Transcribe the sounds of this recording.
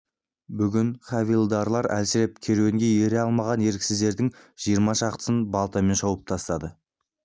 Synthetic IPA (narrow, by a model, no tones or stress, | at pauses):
bʏɡʲɪnχɑvijlˠd̪ɑɾlˠɑɾæ̰lsɪɾe̞p̚kʲʰe̞ɾweŋɡʲe̞je̞ɾeɑlˠmɑʁɑne̞ɾkʲɪsɪzd̪e̞ɾd̪ɪŋ | ʒ̥ijəɾmɑʃɑqt̪ə̥sənbɑlˠt̪ɑme̞nʃɑwəp̚t̪ʰɑst̪ɑd̪ə